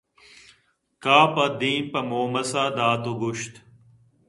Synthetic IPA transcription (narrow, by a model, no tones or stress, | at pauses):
kaːpɐd̪ĩːnpɐmoːmɐsaːd̪aːt̪oɡʊʃt̪